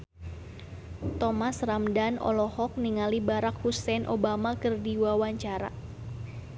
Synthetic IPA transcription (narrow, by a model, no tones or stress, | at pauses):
t̪ɔmasramdanɔ̰lɔhɔk̚niŋalibaɾakhusɛnʔobamakɨrdiwawaɲt͡ʃaɾa̰